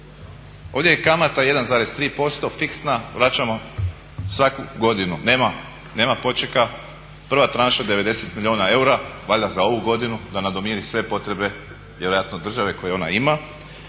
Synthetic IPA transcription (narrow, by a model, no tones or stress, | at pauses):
o̞ːʋd̪ʲjejekamat̪aje̞d̪anzaːɾe̞st̪ɾiːpo̞st̪o̞fiksnaʋɾat͡ʃamo̞ | sʋakuɡo̞d̪inune̞ːma | ne̞ːmapo̞t͡ʃeka | pr̩ʋat̪ɾanʃad̪e̞ʋe̞d̪e̞se̞t̪milʲʎʲjoːnae̞uɾaʋaʎazao̞ʋuɡo̞d̪inud̪anad̪omiɾisʋe̞po̞t̪ɾe̞be̞ | ʋjeɾo̞jat̪no̞d̪r̩ʒaʋe̞ko̞je̞o̞na̰ima